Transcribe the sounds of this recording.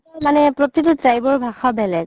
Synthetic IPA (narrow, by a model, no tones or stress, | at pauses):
manɛpɹot̪itʊtɹajbɔɹbʱaxɔbɛlɛɡ